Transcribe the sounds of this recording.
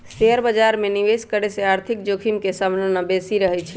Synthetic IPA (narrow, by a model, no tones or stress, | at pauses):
seəɾbəd͡ʒaɾmẽniʋeskəɾeseaːɾt̪ʰik̚d͡ʒokʰimkesəmnənəbesiɾəɦɛt͡ʃʰɛ